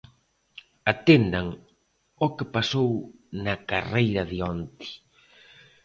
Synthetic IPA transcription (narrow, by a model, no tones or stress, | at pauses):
at̪end̪aŋ | okɪpasownɐkarejɾɐðiɔnt̪i̥